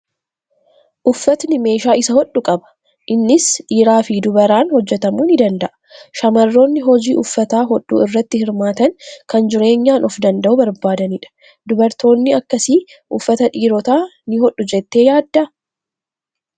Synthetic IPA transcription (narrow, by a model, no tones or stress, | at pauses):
ʔʊfːɐt̪nɪme̞ːʃaːɪsɐhɔɗːʊkʼɐbɐ̥ | ʔɪnːɪsᶑiːɾaːfɪd̪ʊbɐɾaːnhɔd͡ʒːɛt̪ɐmuːnɪd̪ɐnd̪ɐʔɐ̥ʃɐmɐrːo̞ːnːɪɦɔd͡ʒiːʔʊfːɐt̪aːɦɔᶑːṵːɪrːɐt̪ːɪhɪɾmaːt̪ɐnkɐnd͡ʒɪɾe̞ːɲːaːnʔɔfd̪ɐnd̪ɐʔʊbɐɾbaːd̪ɐniːᶑɐ̥ | d̪ʊbɐɾt̪o̞ːnːɪɐkːɐsi | ʔʊfːɐt̪ɐᶑiːɾɔt̪aːnɪhɔᶑːʊd͡ʒɛt̪ːe̞ːjaːd̪ːɐ